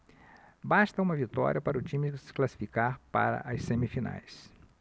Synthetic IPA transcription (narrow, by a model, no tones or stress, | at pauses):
bast̪ɐũmɐvit̪ɔ̰ɾʲjiɐpaɾʊt͡ʃĩmɪksɪ̥klasi̥fikaɾpa̰ɾɐ̰ʔɐssemifina̰js